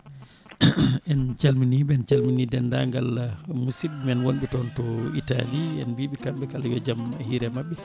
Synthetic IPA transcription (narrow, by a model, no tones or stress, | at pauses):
ʔɛnt͡ʃalminibɛɛnt͡ʃalminidɛnda̰ŋɡalmusiɓmɛnwonɓɛtɔntɔita̰liɛ̰nbiɓikamɓɛkalawɛd͡ʒamhiɾɛmaɓːɛ